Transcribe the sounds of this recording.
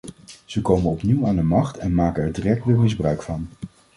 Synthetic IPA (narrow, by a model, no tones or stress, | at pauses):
z̥əkowmənɔpniwaːndəmɑχtʰɛnmaːkənɛɹdirɛk̚tʋɪlmɪzbrœɥkfɑn